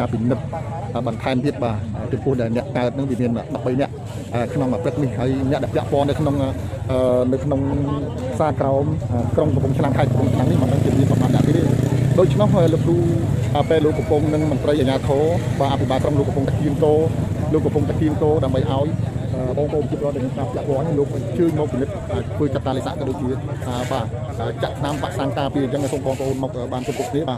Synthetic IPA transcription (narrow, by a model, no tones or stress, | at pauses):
aːpinɨt̪̚ | ʔəːɓɑnt̪ʰaɛmt̪iət̪̚ɓaːʔəːt͡ɕɑmpʊ̆əhɗaɛlnɛ̆əʔkaət̪̚nɨŋʋiəmiənəːɗɑp̚ɓəjnɛ̆əʔ | ʔəːkʰnoŋməprɨk̚nihɦaəjnɛəʔɗaɛlpɛ̆əʔpŏənːɨwkʰnoŋʔəːnɨwkʰnoŋ | saːkraɔmʔəkroŋkɑmpuŋt͡ɕʰnamkʰaɛkɑmpuəŋt͡ɕʰnaŋnːihmənɨŋʋiəmiənɓɑmnaːnːɛ̆əʔkːliːɗoːc̚t͡ɕʰnohʔəːləp̚ruːaːpeːloːkːɑmpʊŋnɨŋmont̪rəjʔaːɲaːt̪ʰɔːɓaːʔapʰiɓaːkroŋloːkɑɔmpʊŋt̪aɛkʰiəŋk̪oːloːkːɑmpʊŋaɛkʰiəŋk̪oːɗaəmɓəjʔaɔjʔəːɓɑːŋpoʔoːmpət͡ɕiəpoːɾoət̪̚ːɛmiənkaːpʰlĕəʔpŏənːihloːk̚ət͡ɕəːɲmɔːk̚pinɨt̪̚ʔəːt̪ʰʋəːt͡ɕat̪̚ːaːlesa̰ʔkɔɗoːc̚t͡ɕiəʔəːɓaː | ʔəːt͡ɕaʔt̪ʰnampa̰ʔsaːŋkaːpiəəɲt͡ɕəŋʔapoːŋɓɑːŋpoʔoːnmɔk̚ʔəːɓaːnkopukʰniəɓaː